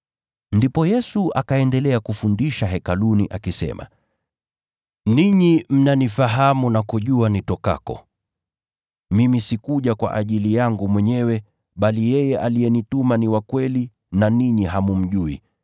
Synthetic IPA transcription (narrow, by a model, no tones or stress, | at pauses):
ndipɔjɛsua̰kaɛndɛlɛakufundiʃaɦɛkaluniʔakisɛ̰ma̰ | niɲim̩nanifaɦamunakuʄuanitɔka̰kɔ̰ | mimisikuʄakwa̰ʔaʄilijaŋɡumwɛɲɛwɛ | ɓalijɛjɛʔalijɛnitumaniwakwɛli | naniɲiɦamum̩ʄuḭ